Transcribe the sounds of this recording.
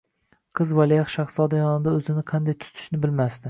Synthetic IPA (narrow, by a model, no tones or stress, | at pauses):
qʰɨzvalijaχʃɑχsɒd̪ajɒnɪd̪aɵzɪnɪqʰɑnd̪ajt̪ʰʊ̥t̪ʰɪ̥ʃnɪbɪlmast̪ɪ